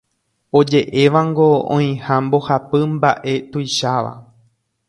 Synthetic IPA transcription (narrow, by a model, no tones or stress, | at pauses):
o̞d͡ʒe̞ʔe̞ʋaŋɡo̞õ̰ĩhãmbo̞hapɨmba̰ʔe̞t̪ujʃaʋa̰